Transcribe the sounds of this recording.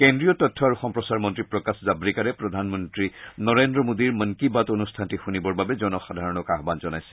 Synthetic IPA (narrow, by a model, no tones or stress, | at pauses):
kendɹijɔtɔtʰːɔaɹuxɔmpɹɔsaɹmɔntɹipɹɔkaszabɹikaɹɛpɹɔd̪ʱanmɔntɹinɔɹendɹɔmodiɹməŋkibatonustʰantixunibɔɹbabɛzɔnɔxadʱaɹɔnɔkaɦbanzɔnajsɛ̥